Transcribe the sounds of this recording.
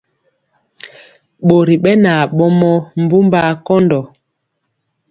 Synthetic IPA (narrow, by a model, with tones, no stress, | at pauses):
ɓo˨ɾi˨ɓɛ˦na˨ɓɔ˦mɔ˦m̩˦bu˦mba˦kɔ˦ndɔ˨